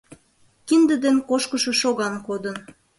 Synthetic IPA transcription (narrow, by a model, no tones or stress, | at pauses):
kind̪əd̪enkoʃkəʃoʃoɣɑnkod̪ən